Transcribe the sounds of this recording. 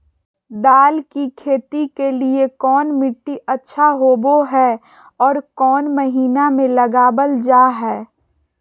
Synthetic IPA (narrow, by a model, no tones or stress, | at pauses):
d̪aːlkikʰeːt̪ikeliekɔːnmɪʈːiətːʃʰaɦoːboɦɛː | ɔːɾkɔːnməɦiːnamẽləɡaːbəld͡ʒaːɦɛː